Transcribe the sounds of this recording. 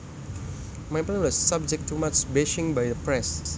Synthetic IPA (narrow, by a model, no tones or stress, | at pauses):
mãjpnwɔsːab̚d͡ʒɛk̚tʰːumat͡ʃbɛʃɪ̃ŋbajdəpɹɛs